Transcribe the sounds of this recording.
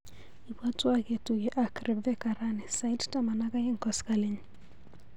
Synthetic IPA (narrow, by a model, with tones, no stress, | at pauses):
i˨bwa˦twa˦ke˨tuɡɛ˨ʔakɾɛbɛ˦kaɾa˦nɛ˨sajttama˨na˦ka˦ji˦ŋ̩kɔskali˦ɲ